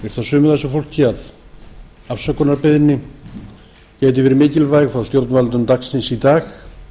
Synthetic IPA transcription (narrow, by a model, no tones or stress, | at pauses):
vɛɾ̥t̪θasʏːmʏðɛsʏfowl̥cɪað | afsakʰɔnaɾpɪðnɪ | cɛːjt̪̬ɪvɛːɾɪmɪːcɪlvajɣfɾawst̪jowɾt̪nvalt̪ʏmt̪aksɪnsit̪aːx